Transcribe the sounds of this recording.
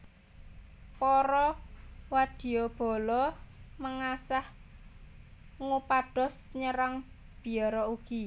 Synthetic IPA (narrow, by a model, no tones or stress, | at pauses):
pɔɾɔwad̪̥i̤ɔb̥ɔ̤lɔməŋasah | ŋupaɖ̥ɔ̤sɲəɾaŋ | b̥i̤ɔɾɔuɡ̥i